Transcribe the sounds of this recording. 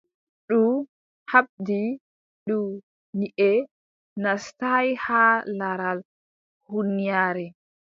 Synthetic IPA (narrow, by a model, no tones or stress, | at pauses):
ɗu | haɓ̚di | ɗu | niʔɛ | nastajhalaɾal | hunːijaːɾɛ